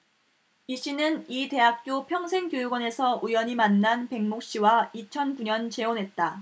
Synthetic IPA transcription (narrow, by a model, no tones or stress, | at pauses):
iɕ͈inɯnite̞ɦak̚k͈jopʰjʌŋsʰe̞ŋkjojuɡwʌne̞sʰʌʔujʌɲimanːanpe̞ŋmok̚ɕ͈iwait͡ɕʰʌnkuɲʌnt͡ɕe̞onɦe̞t̚t͈a